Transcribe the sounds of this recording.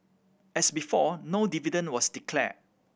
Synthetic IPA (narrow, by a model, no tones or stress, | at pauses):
ɛsbifɔnodividə̃nwɔsdikʰlɛ̰